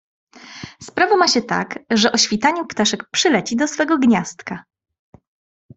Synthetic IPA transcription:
spɾavɔmaɕɛt̪a̰kʐɛʔɔɕfʲit̪aɲupt̪aʂɛk̚pʂɘlɛt͡ɕid̪ɔsfɛɡɔɡɲast̪ka

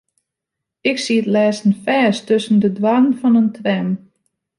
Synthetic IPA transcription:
ɪksiətlɛːsən̩fɛːstɵsən̩dədwanənfɔnəntʰʋɛm

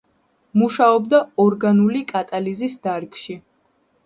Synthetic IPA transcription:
muʃaɔbd̪aɔɾɡanulikʼat̪ʼalizisd̪aɾkʼʃi

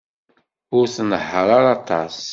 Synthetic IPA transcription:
ʊɾθnəħːəɾˤaɾɑt̪ɑs

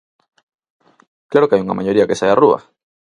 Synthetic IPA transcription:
klaɾo̞keajuŋa̰maʝo̞ɾiake̞sajarua̰

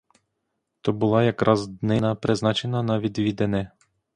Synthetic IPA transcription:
t̪ɔbulˠajakɾʔazd̪nɛnapɾɛznat͡ʃɛnanavid̪vid̪ɛnɛ

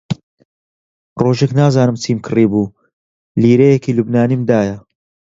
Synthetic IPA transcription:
roʒeknaːzaːnɨmt͡sʰimkʰɨriːbuː | liːɾejekiːlubnaːnimd̪aːjɐ

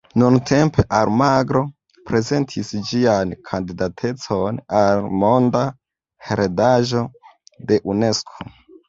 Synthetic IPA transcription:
nuntʰe̞mpe̞ʔalmaɡɾo̞ | pɾe̞ze̞ntʰisd͡ʒiankʰandidatʰe̞t͡so̞nalmo̞nda | heɾedaʒo̞de̞ʔune̞skʰo̥

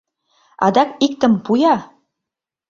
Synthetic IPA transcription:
ɑ̰d̪ɑkik̚t̪ə̆mpujɑ

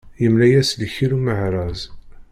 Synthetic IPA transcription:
jəmlæjæslçiɾuməʕɾˤɑz

